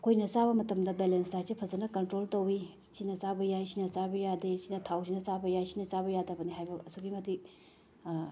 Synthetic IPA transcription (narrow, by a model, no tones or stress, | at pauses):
ɐkʰojnɐt͡ʃaβɐmɐtɐmdɐbelenstasipʰɐzɐnɐkɐntɾoltɐwi | sinɐt͡ʃabɐjajsinɐt͡ʃabɐjadesinɐtʰawsʰinɐt͡ʃabɐjajsinɐt͡ʃabɐjadɐbɐniɦajbɐɐsuɡimɐtik